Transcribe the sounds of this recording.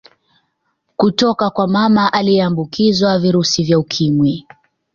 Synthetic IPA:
kutɔkakwamamaʔalijɛambukizwaviɾusivjaukʰimwi

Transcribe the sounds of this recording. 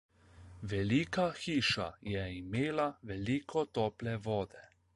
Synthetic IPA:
ʋɛliːkaxiːʃa̰jɛimeːlaʋɛliːkʰɔt̪ɔːplɛʋɔːd̪ɛ

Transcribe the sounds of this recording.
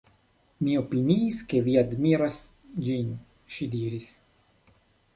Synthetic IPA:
mio̞piniːske̞viadmiɾasd͡ʒin | ʃidiɾis

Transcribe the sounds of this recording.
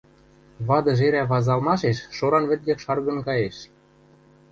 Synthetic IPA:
βɑd̪ɤ̆ʒeɾæβɑzɑlmɑʃeʃːoɾɑnβɘ̆t̪̚ɡekʃɑrɣɤ̆nkɑjeʃ

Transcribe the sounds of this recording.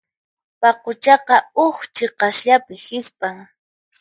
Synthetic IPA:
pɑqʊt͡ʃɑqɑʊχt͡ʃeqɑsʎapɪhɪspaŋ

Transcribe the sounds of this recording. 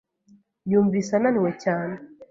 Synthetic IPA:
ɲuːɱvisananiwecaːne

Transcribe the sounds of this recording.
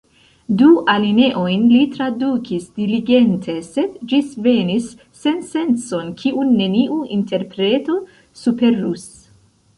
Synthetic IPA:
duʔaline̞ʔo̞jnlit̪ɾadukʰisdiliɡe̞ntʰe̞se̞dd͡ʒisve̞nisː | e̞nse̞nt͡so̞nkʰiʔunːe̞niʔuinte̞ɾpɾe̞t̪o̞ | supe̞ɾus

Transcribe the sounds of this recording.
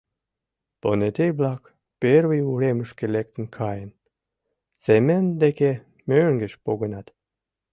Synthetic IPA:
ponet̪ejblɑk | perβəjuɾeməʃkelek̚t̪ə̆nkʰɑjən | semənd̪eke | møŋɡəʃpoɣənɑt̪

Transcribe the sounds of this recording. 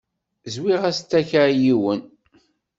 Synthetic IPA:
zwiʁæst̪ːæçajiwən

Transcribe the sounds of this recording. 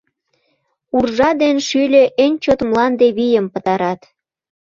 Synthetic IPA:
urʒɑd̪enʃylʲeʔenʲt͡ɕot̪mlɑnd̪eβijəmpə̆t̪ɑɾɑt̪

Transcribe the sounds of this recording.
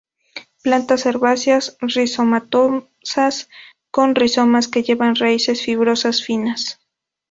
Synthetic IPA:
plant̪aseɾβasjasriso̞mat̪o | sas | ko̞nriso̞maske̞ʝe̞βanraise̞sfiɣuɾo̞sasfinas

